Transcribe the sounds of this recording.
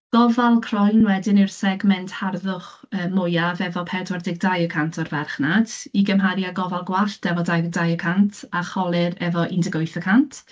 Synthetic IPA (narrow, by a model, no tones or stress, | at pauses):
ɡ̥ɔvalˠkʰrɔjnwɛdɪnirsɛɡmɛntʰharðʊχ | əːmʊjavɛvɔpʰɛdwardɪɡ̚dajəkʰantʰɔrvɛrχnad̥iɡəmɦaɾjaɡɔvalˠɡwaɬd̥ɛvɔdajɡ̚dajəkʰantʰaχɔlˠɪɾɛvɔʔindɪɡojθəkʰantʰ